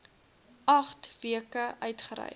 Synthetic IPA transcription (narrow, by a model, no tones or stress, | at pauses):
ɐχtviəkəʔœɥtχəɾɛ̰j